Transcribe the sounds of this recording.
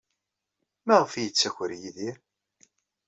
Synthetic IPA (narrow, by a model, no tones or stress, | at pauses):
mæʁəfjət͡sːæçɾjiðiɾ